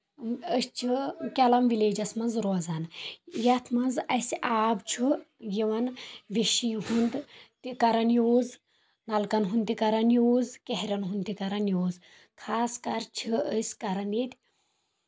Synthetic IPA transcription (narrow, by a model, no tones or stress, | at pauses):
əst͡ʃʰɨkʲɐlɐmʋileːd͡ʒɐsmɐnzɾoːzaːnjɐt̪ʰmɐnzɐsʔaːbt͡ʃʰujiʋɐnʋiʃijɦund̪t̪ikɐɾɐnjoːz | nɐlkɐnɦund̪t̪ikɐɾɐnjoːzkeɦɾʲɐnɦund̪t̪ikɐɾɐnjoːz | kʰaːskɐɾt͡ʃʰɨəsʲkɐɾɐnjit̪ʲ